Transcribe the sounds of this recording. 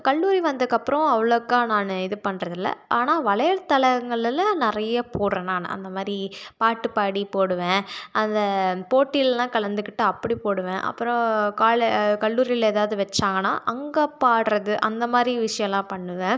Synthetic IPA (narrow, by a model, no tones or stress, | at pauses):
kɐɭːuːɾiʋɐnd̪ɯkːɐpːɯɾɔ̃ɐʋɐɭɐɯkːaːnaːnɯɪðɯpɐɳːɾɐðɪlːɐ̰ʔaːnaːʋɐɭɐjɐɾt̪ɐɭɐɐŋɡɐɭɪlɐ̃nɪɾɐjɐpoːɽɾẽːnaːn̰ɐ̰nd̪ɐmaːd̪ɾipaːʈːɯpaːɽipoːɽɯʋẽːʔɐnd̪ɐpoːʈːɪllãːkɐɭɐnd̪ɯkːɪʈːɯɐpːɐɽipoːɽɯʋẽːʔɐ̰pːɯɾɔ̃kaːɭkɐɭːuːɾɪɪleːðaːʋðɯʋɛt͡ʃːãːŋɡɐna̰ːʔɐŋɡɐpaːɽɾɐðɯʔɐnd̪ɐmaːd̪ɾiʋɪʂɐjɐ̃lãːpɐɳːɯʋẽː